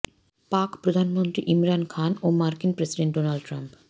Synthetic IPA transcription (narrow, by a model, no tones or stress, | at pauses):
pakpɾod̪ʱanmont̪ɾiʔimɾankʰanomaɾkinpɾesiɖeɳʈ̚ɖonalɖʈɾamp